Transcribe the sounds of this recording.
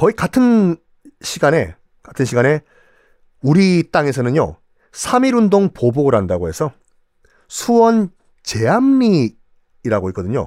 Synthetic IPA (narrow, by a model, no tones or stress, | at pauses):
kʌikatʰɯn | ɕʰiɡane̞ | katʰɯnɕʰiɡane̞ | uɾit͈aŋe̞sʰʌnɯɲjo̰ | sʰamiɾundoŋpoboɡɯɾɦandaɡoɦe̞sʰʌ | sʰuwʌn | t͡ɕe̞amːiː | ɾaɡoik͈ʌdɯɲo̰